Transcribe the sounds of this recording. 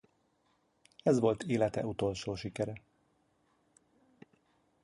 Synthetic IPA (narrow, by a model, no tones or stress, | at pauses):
ɛzʋo̞lt̪ʰeːlɛt̪ɛ̰ut̪o̞lʃoːʃikɛɾɛ